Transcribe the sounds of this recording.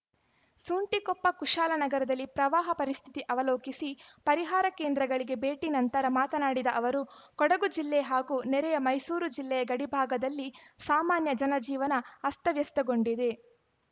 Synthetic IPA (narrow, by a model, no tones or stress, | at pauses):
suːɳʈikɔpːɐkuʃaːlɐnɐɡɐɾɐd̪ɐlːipɾɐʋaːɦɐpɐɾist̪ʰit̪iʔɐʋɐloːkisipɐɾiɦaːɾɐkeːnd̪ɾɐɡɐɭiɡe̞beːʈinɐnt̪ɐɾɐmaːt̪ɐnaːɽid̪ɐʔɐʋɐɾukɔɽɐɡud͡ʒilːɛɦaːɡuːnɛɾɛjɐmɐjsuːɾud͡ʒilːɛjɐɡɐɽibʱaːɡɐd̪ɐlːisaːmaːnjɐd͡ʒɐnɐd͡ʒiːʋɐnɐɐst̪ɐʋjɐst̪ɐɡoɳɖid̪e̞